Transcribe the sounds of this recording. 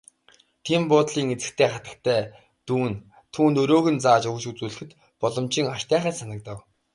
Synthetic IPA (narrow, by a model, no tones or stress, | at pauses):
t̪ʰimpʊːt̪ɮiːŋet͡sɘ̥̆kt̪ʰeːχat̪ə̥̆kt̪ʰæː | t̪uːn | t̪ʰuːnt̪ɵɾoːɣɘ̆nt͡saːt͡ɕɵɣ̆ʃut͡suːɮɘ̆xɘ̆t̪ | pɔɮɞ̆mt͡ɕiːŋaʃt̪æːχæːsanə̆k̚t̪ə̆w